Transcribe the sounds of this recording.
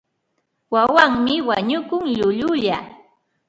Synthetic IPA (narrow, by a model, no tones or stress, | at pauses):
wawaŋmɪwaɲʊkʊŋʎʊʎʊʎa